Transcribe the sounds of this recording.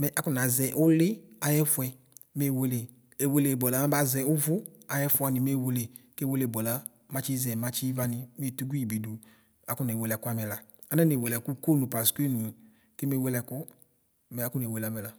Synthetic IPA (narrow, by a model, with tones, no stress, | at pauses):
mɛ˨ʔa˦kʊ˦˨n˨a˨zɛ˨ʔʊ˦lɪ˦a˨jɛ˦fʊ˧˦ɛ˧˦ | me˦˨we˧le˨ | e˨we˧le˨bɔ˨la˨˦ma˦ba˦zɛ˧˨ʊ˦vʊ˦a˨jɛ˦fʊ˨˦a˧˨nɪ˨me˦˨we˧le˨ke˦we˦le˨bɔ˨la˨˦ | ma˧t͡ʃi˦zɛ˨ma˨˦t͡ʃi˦va˦nɪ˨me˦˨tu˦ɡu˦i˨bi˨du˨ | a˨˦kʊ˦n˨e˨we˨lɛ˨kʊ˦a˦mɛ˨la˨ | a˨˦nɛ˦n˨e˨we˨lɛ˨ku˦ko˦˨nu˨pa˨skʷe˦˨nu˨ | kɪ˦me˦˨we˦˧lɛ˨kʊ˦ | mɛ˨˦kʊ˦ne˨we˨la˨mɛ˨la˨